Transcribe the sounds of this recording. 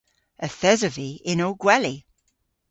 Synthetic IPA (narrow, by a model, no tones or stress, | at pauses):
əθɛzəviɪnowɡ̥wɛli